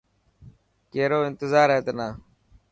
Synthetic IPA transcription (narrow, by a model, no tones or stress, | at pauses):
keːɾoːɪ̃nt̪ɪzaːɾɦeːt̪enaː